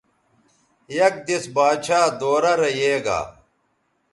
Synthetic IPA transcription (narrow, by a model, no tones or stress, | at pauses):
jɐk̚d̪isbaːt͡ʃaːd̪oːɾɐɾɐjeːɡa̰ː